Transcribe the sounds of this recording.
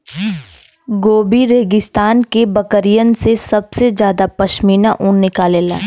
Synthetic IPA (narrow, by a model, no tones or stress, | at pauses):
ɡoːbiɾeːɡɪst̪aːnkebɐkəɾijənsesɐbsed͡ʒjaːd̪apɐʃmiːnaʔʊ̃nnɪkaːleːla̰ː